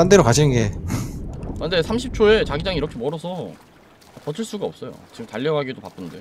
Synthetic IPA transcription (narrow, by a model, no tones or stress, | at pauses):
andeɾokaɕʰinɯnɡe̞ | ande̞sʰamɕʰip̚t͡ɕʰoe̞t͡ɕaɡid͡ʑaŋiɾʌkʰe̞mʌɾʌsʰʌ | apʌtʰɯɭs͈uɡaʌp̚s͈ʌjo̰t͡ɕiɯmtaʎːjʌɡaɡidopak͈ɯnde̞